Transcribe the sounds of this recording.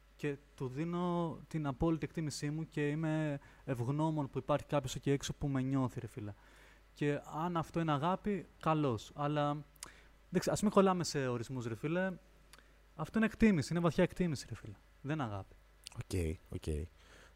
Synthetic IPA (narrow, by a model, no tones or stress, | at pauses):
ce̞t̪uðino̞t̪inɐpo̞lit̪iekt̪imisimuce̞ime̞ː | vɣno̞mo̞npuipɐɾçi̥kɐpço̞soceeksopume̞ɲo̞θiɾe̞filɐ | ce̞ɐnɐft̪o̞ineɐɣɐpikɐlo̞sɐlɐ | ðekseɐspumiko̞lɐmese̞o̞ɾizmusɾefile | ɐft̪oinekt̪imisiinevɐθçɐe̞kt̪imisiɾefilɐ | ðe̞nɐɣɐpi̥ | ocḛio̰cḛi